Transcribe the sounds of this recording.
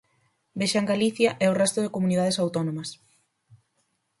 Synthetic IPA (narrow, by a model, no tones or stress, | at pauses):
beʃaŋɡaliθjaʔɛorɛst̪oðekomunið̞aðesawt̪onõmɐs